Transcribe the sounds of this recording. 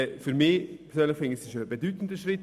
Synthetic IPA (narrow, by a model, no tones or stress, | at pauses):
fyɾmiːpɛsøːnlɪfɪŋsɪʃəbedyːtn̩dəʃʁɪt